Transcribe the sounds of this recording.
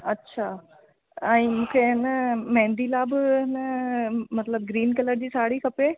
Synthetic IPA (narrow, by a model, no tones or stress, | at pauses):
ɐtːɕʰaː | ɛ̃ːmũːkʰeɪnəmɛ̃ɦːnd̪ilabɪɪnəmɐt̪ləb̚ɡɾiːnkɐləɾd͡ʑiːsaːɽikʰɐpe